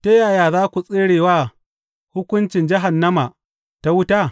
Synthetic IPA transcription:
te˦jaː˨jaː˨zaː˦kʷu˨sʼeː˦ɽeː˨waː˦ | hʊ˦kʷʊ˦nt͡ʃɪ˨nd͡ʒɪ˦ɦa˨nːɐ˦ma˨ | ta˦wʊ˦taː˦˨

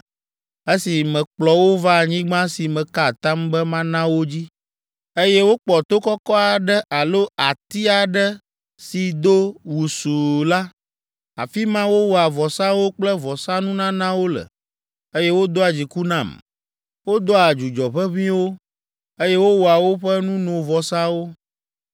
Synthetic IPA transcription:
e˦si˨mɛ̃˨k͡plɔ˦wo˦va˦˨ɲĩ˦ɡ͡bã˦si˨mɛ̃˨ka˦˨t̪a˦mbɛ˦mã˦nã˦wo˦d͡ʑi˦ | e˦jɛ˦wo˦k͡pɔ˨t̪o˦kɔ˦kɔ˦a˨ɖə˦ʔa˨lo˦a˨t̪i˦a˨ɖə˦ | si˨d̪o˦wu˨su˨la˦ | a̰˨fi˦mã˦wo˦wɔ˨a˨vɔ˨sã˦wo˦k͡plə˦vɔ˨sa˦nũ˦nã˦nã˦wo˦lə̰˨ | e˦jɛ˦wo˦d̪o˦a˨d͡ʑi˨ku˦nã˦˨m | wo˦d̪o˦a˨d͡ʒu˨d͡ʒɔ˨ɸɛ˦βĩ˦wo˦ | e˦jɛ˦wo˦wo˨a˨wo˦ɸɛ˦nũ˦nõ˨vɔ˨sa˦wo˦

